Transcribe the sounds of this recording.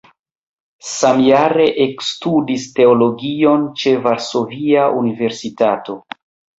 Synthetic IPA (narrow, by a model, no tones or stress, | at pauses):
samjaɾe̞ʔekstudiste̞olo̞ɡio̞nt͡ʃe̞vaɾso̞viaʔunive̞ɾsitato̞